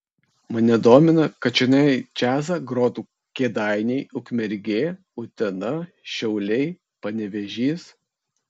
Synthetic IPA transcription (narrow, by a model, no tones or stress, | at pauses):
mɐnʲɛd̪oːmʲɪnɐkɐt͡ʃʲɪnʲɛt͡ʃʲæːzɐɡɾoːt̪uː | kʲeːd̪ɑˑɪnʲɛɪʊkmʲɛɾʲɡʲeː | ʊt̪ʲɛnɐ | ʃʲɛʊlʲɛɪ | pɐnʲɛʋʲɛʒʲiːs